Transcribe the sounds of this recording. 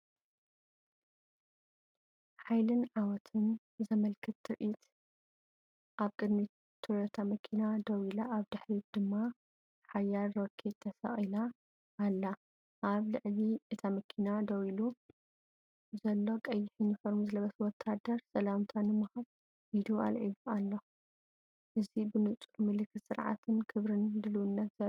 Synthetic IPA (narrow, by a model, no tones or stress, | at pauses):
ħajlɨnʕawɔt̪ʰɨn | zɐmɐlkʰɨt̪ːɨɾʔʔit̪ | ʔaβkʼɨd̪mi | t̪ʰuɾɐt̪ʰamɐkʰinad̪ɐwilaʔaβd̪ɨħɾid̪̥ɨmːa | ħajalɾokʰːet̪ʰːɐsɐ̰χʼilaː | lːa | ʔaβlɨʕliʔɨt̪ʰamɐkʰinad̪ɐwilu | zɐlːo̞kʼɐjːɪħinɨfɐɾmuzɨlɐβɐswɔt̪ʰːad̪ɐɾsɐlamt̪ʰanɨmuhaβ | hid̪ua̰lʕḭβualːo | ʔɨzibɨnɨt͡sʼumɨlɨkʰːɨt̪sɨɾʕa̰t̪ʰɨnkʰɨβɾɨnd̪ɨlwʊnːɐt̪zɐ